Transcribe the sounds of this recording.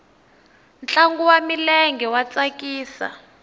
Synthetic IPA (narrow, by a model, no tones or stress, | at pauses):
nt͡ɬaŋɡuwamilɛŋɡɛwat͡sʼakʼiːsa̰